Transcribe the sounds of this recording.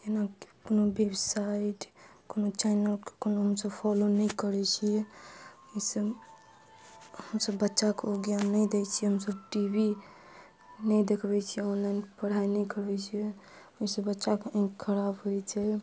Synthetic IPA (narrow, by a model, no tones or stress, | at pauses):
jenakkonobebsaiʈkonot͡ʃɛnəlkkonoɦəmsəbpʰɔlonəjkəɾɛt͡ʃʰiɛ | isəb | həmsəbːətːʃakoɡjanːəid̪ɛt͡ʃʰiɦəmsəbʈibi | nəjd̪ekʰbɛt͡ʃʰiɛɔnlanpəɽ̤ainəjkəɾbɛt͡ʃʰiɛ | əsəbətːʃakkʰəɾabɦoɛt͡ʃʰɛ